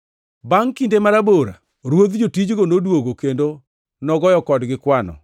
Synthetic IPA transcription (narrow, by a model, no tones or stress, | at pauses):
baŋkindemaɾaboɾa̰ | ɾwod̪d͡ʒotid͡ʒɡonodwoɡokendo | nɔɡɔjɔkɔdɡɪkwanɔ̰